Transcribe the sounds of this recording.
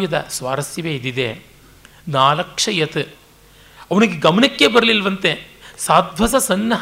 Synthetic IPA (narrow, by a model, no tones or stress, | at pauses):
jɐd̪ɐ̰sʋaːɾɐsjɐʋeːid̪id̪e | naːlɐkʂɐjɐt̪ɨ | ɐʋɐniɡeɡɐmɐnɐkːeːbɐɾɐlilʋɐnt̪esaːd̪ʋɐsɐsɐnːɐɦ